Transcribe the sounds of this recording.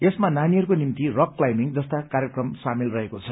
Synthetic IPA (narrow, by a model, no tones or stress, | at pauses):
esmananiɦʌɾukonimt̪irʌkːlajmiŋd͡zʌst̪akarjekrʌmsamilrʌɦekot͡sʰʌ